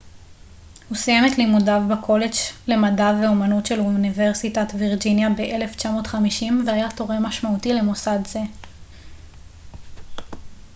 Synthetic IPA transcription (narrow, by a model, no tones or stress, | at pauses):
husijemetlimudavbakʰo̞le̞d͡ʒle̞madaveomanutʃe̞lnive̞ʁsitatviʁd͡ʒinjabe̞ʔele̞ft͡ʃamo̞ːtχamiʃimveajato̞ʁemaʃmautile̞mosadze̞